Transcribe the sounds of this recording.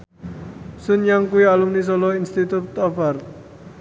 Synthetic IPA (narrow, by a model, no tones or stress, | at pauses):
sʊnjaŋkuialumnis̬ɔlɔinst̪it̪ut̪ɔfart̪̚